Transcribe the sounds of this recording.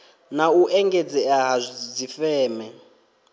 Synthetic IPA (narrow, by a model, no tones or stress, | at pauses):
nauʔɛŋɡed͡zɛaɦad͡zifɛːmɛ